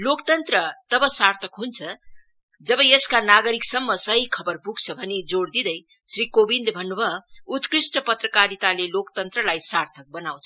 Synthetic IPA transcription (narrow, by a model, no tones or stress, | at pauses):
lokt̪ʌnt̪rʌt̪ʌbʌsart̪ʰʌkɦunt͡sʰʌ | d͡zʌbʌeskanaɡʌɾiksʌmːʌsʌɦikʰʌbʌrpuk̚t͡sʰʌbʱʌnid͡zoɽd̪id̪ʌj | srikobind̪bʱʌnːubʌut̪krisʈʌpʌt̪rʌkaɾit̪alelokt̪ʌnt̪rʌlajsart̪ʰʌk̚bʌnaw̃t͡sʰʌ